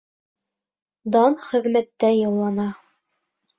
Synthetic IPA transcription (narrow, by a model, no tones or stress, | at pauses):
d̪ɑnχɘ̆ðmæt̪ːæjɑwlˠɑnɑ